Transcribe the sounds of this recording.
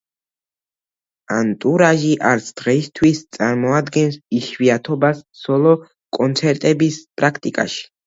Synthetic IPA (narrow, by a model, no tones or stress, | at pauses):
ant̪ʼuɾaʒiʔaɾt̪sʰd̪̥ʁɛist̪ʰwist̪sʼaɾmɔad̪ɡɛnsiʃwiat̪ʰɔbassɔlˠɔ | kʼɔnt̪sʰɛɾt̪ʼɛbispʼɾakʰt̪ʼikʼa̰ʃi̥